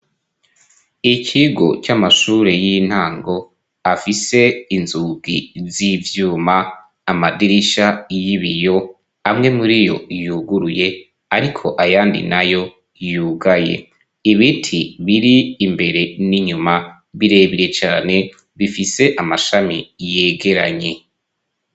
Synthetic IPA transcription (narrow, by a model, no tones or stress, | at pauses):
icʰiɡo̞̰t͡ʃamaʃuːɾe̞jin̥haːŋɡo̞ | afise̞inzuɡizivjuːmaː | madiɾiʃajiβijo̞ | amŋe̞muɾijo̞̰juɡuɾuje̞ | aɾikʰo̞ʔajaːndḭnajo̞ | juːɡaje̞̰ | iβitʰiβiɾiːmbe̞ɾe̞niɲuma | βiɾe̞βiɾe̞t͡ʃaːne̞ | βifise̞ʔamaʃamijeːɡe̞ɾa̰ɲe̞